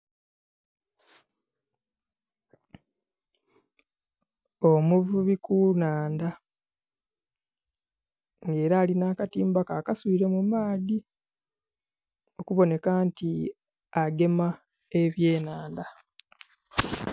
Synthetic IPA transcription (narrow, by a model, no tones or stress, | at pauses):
o̞muvuβikunaːnda | ŋɡe̞ːɾaːlinaːkatiːmbakaːkasuβiɾe̞mumaːdi | o̞kuβo̞ne̞kanti | aɡe̞ma | e̞βje̞ːnaːnda